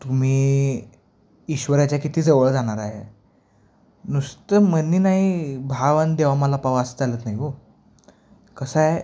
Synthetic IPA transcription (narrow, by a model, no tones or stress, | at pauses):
t̪um̤iː | iɕʋəɾjat͡ɕjakit̪iːd͡zəʋəɭd͡zaɽ̃aɾaɦḛ | nust̪əmənːiːnaɦibʱaʋənd̪eʋaməlapaʋasəd͡zalət̪naɦiɦo | kəsae